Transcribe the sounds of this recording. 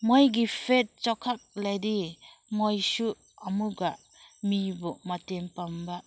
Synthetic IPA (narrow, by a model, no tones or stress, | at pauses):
mɔjɡipʰet̚t͡ʃɔkʰak̚lajdimojsu | amuɡaʔ | mibɔmatempambaʔ